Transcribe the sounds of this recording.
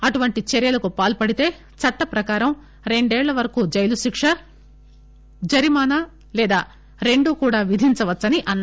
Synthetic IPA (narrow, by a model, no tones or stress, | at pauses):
ɐʈuʋɐɳʈit͡ʃɛɾjɐlɐkupaːlpɐɽit̪e̞ː | t͡ʃɐʈːɐpɾɐkaːɾɐm | ɾe̞ɳɖɛːɭːɐʋɐɾɐkuːd͡ʒɐjluʃikʂɐ | d͡ʒɐɾimaːnaː | lɛːd̪aː | ɾe̞ɳɖukuːɽaːʋid̪ʱint͡ʃɐʋɐtːsɐniʔɐnː